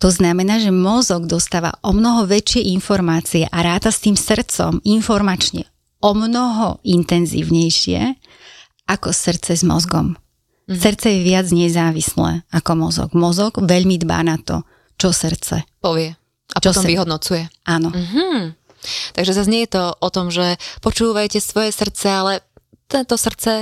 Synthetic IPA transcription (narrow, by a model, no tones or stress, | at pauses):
t̪ɔznamɛnaːʒɛmɔzɔɡd̪ɔst̪aːʋa̰ʔɔmnɔɦɔʋɛt͡ʃɪɛʔinfɔɾmaːt͡siɛʔaɾaːt̪ast̪iːmsɾt͡sɔ̰minfɔɾmat͡ʃɲɛ̰ | ɔmnɔɦɔint̪ɛnzḭːʊɲɛjʃɪɛ̰ | akɔsrɾt͡sɛzmɔ̰zɡɔ̰m | srɾt͡sɛjɛʋɪad͡zɲɛzaːʋislɛ̰akɔmɔzɔ̰ɡmɔzɔɡ̥ʋɛʎmid̪ba̰ːnat̪ɔ̰ | t͡ʃɔsɾt͡sɛ̰pɔʋɪɛ | apt͡ʃɔt̪ɔviɦɔd̪nɔt͡sujɛaːnɔɦ̩ | t̪aɡʒɛzazɲɛjɛt̪ɔʔɔt̪ɔmʒɛpɔt͡ʃuːʋajcɛsʋɔjɛsr̩t͡sɛalɛ | t̪ɛnt̪ɔsr̩t͡sɛ